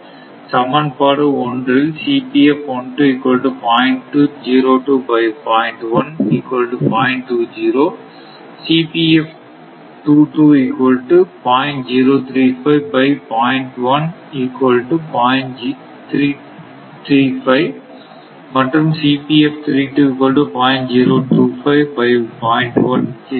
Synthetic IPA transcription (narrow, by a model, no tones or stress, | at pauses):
sɐmɐnpaːɽɯɔndrɪlsiːpiɛfɔɳʈuɪkːɔlʈupaːɪɳʈːud͡ʒiːɾoːʈuːbɐɪpaːɪɳʈʋɐniːkwɐlʈupaːɪɳʈʈːuːd͡ʒiːɾoː | siːpiɛf | ʈuːʈuːikʋɐlʈɯpãːɪ̃ɳʈd͡ʒiːɾoːt̪ʰɾiːfɐɪʋbɐɪpãːɪ̃ɳʈʋɐn | iːkʋɐlʈupaɪɳi | t̪ʰɾiː | t̪ʰɾiːfɐɪ | mɐʈɾɐmsiːpiɛft̪ʰɾiːʈuːɪkːɐlʈupaːɪ̃ɳʈd͡ʒiːɾoːʈuːfɐɪʋbɐɪpaːɪ̃ɳʈʋɐn